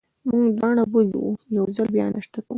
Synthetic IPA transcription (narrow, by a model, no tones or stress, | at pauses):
muŋɡd̪wɑɳabulḭwujawzalbjɑ̰nʔaʃt̪akəw